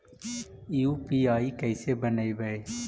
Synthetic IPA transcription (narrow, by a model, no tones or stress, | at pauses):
juːpiːaːiːkəɪseːbənaːibəeː